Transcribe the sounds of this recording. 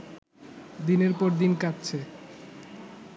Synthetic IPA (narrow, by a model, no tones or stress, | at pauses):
d̪ineɾpɔɾd̪inkatːt͡ɕʰe